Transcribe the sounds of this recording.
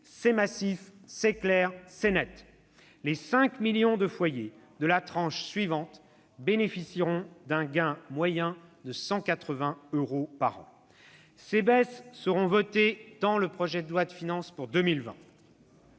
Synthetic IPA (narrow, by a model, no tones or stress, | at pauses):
sɛmasifsɛklɛʁsɛnɛt̪ | lesɛ̃kmiljɔ̃d̪əfwaje | d̪əlat̪χɑ̃ʃsɥivɑ̃t̪ | benefisiʁɔ̃d̪ɛ̃ɡɛ̃mwajɛ̃d̪əsɑ̃kat̪χəvɛ̃øʁopaʁɑ̰̃ | sebɛsːəʁɔ̃vɔt̪ed̪ɑ̃ləpχɔʒɛd̪əlwat̪finɑ̃spuʁd̪əmilvɛ̰̃